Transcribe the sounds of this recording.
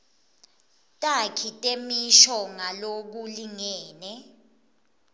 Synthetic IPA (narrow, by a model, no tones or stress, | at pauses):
tʼakʰitʼemiʃɔŋalok̬uliŋɛːnɛ